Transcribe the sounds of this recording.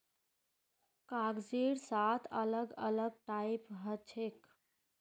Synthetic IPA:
kaɡd͡ʒeɽsat̪ʰələɡələɡ̚ʈaipɦət͡ʃʰek

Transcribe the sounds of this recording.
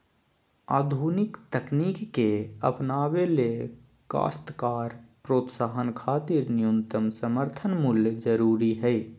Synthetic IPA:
aːd̪ʱuːnɪkt̪əkniːkːeə̰pnaːʋele | ka̰ːst̪kaːɾpɾoːt̪saːɦənkʰaːt̪iɾnɪjumt̪əmsəməɾt̪ʰənmʊljəd͡ʒəɾuːɾiɦɛ

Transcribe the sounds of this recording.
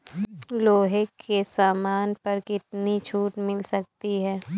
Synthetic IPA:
loːɦekʰesaːmaːnpɐɾkɪt̪nit͡ʃʰuːʈmɪlsɐk̚t̪iɦɛː

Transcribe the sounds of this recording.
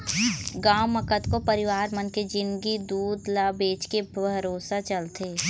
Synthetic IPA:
ɡaːmːɐkət̪kopəɾɪʋaːɾmənked͡ʒɪ̃nɡid̪uːd̪laːbeːt͡ʃkebʱɐɾoːsat͡ʃɐlt̪eː

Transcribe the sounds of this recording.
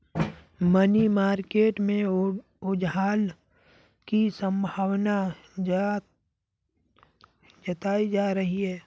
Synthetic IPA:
mənimaːɾkeːʈmẽ | ʊd͡ʒɦaːl | kisə̃mbʱaːwna | d͡ʒət̪aːid͡ʒaːɾəɦiɦɛː

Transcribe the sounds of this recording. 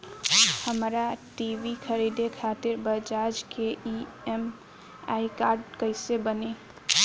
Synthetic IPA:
həmɾaʈiʋikʰəɾid̪ekʰat̪ɪɾbəd͡ʒad͡ʒkei | em | aːikaɾɖkəɪsebəne

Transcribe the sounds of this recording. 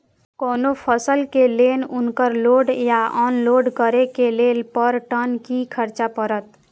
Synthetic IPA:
koːnopʰəsəlkelenunkəɾloɖjaʔɔnloɖkəɾekelelpəɾʈənkikʰəɾt͡ʃapəɾət̪

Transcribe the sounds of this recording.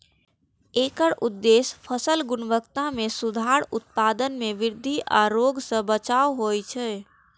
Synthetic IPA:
ekəɾʔud̪ːespʰəsəlɡʊnʋəkt̪ãmesud̪ʱaɾut̪̚pad̪ənmeʋɪɾd̪ʱiʔa̰ɾoɡsə̃bət͡ʃaoɦojt͡ʃʰɛ

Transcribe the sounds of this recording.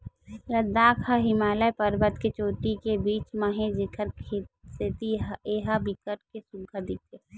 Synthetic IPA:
ɾəd̪aːkʰaɦɪmaːləjpəɾbət̪ket͡ʃoːʈikebiːt͡ʃmaɦẽd͡ʒɪkʰəɾkʰeseːt̪ieːɦabikəʈkesʊɡʱad̪it̪eː

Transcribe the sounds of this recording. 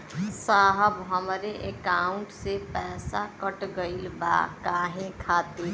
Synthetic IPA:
saːɦəbɦəmɾeʔekaːʊ̃ɳʈsepɛːsa̰kəʈɡəilba̰ːkaːɦẽkʰaːt̪i

